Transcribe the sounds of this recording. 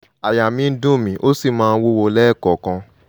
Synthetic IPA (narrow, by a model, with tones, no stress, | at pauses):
a˨ja˨mĩ˧˦dũ˦˨mĩ˨˦ʔo˦si˦˨mãː˦˧˦wo˦wo˧˦lɛː˦˨kɔ˨kã˧